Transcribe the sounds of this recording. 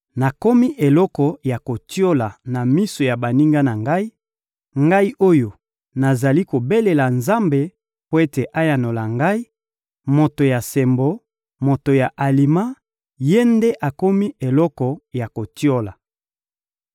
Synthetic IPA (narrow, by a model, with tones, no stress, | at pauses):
na˨ko˦mi˦ʔe˨lɔ˦kɔ˨ja˨ko˨tjo˦la˨na˨mi˦so˨ja˨ba˨ni˦ŋɡa˦na˨ŋɡa˦i˦ | ŋɡa˦i˦ʔo˦jo˨ | na˨za˨li˦ko˨be˦le˨la˨nza˦mbe˨ | po˦e˦te˨ʔa˦ja˨no˨la˨ŋɡa˦i˦ | mo˨to˨ja˨sɛ˨mbo˦ | mo˨to˨ja˨ʔa˨li˨ma˦ | je˦nde˦ʔa˨ko˦mi˦ʔe˨lɔ˦kɔ˨ja˨ko˨tjo˦la˨